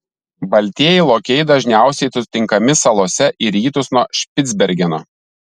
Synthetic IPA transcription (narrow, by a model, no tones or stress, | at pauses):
bɐlʲt̪ʲiɛjɛɪlˠoːkʲɛjd̪ɐʒʲnʲæˑʊsʲɛɪsʊt̪ʲɪŋkɐmʲɪsɐlˠoːsʲɛʔɪɾʲiːt̪ʊsnuɔʃʲpʲɪd̪zʲbʲɛɾʲɡʲɛno̰ː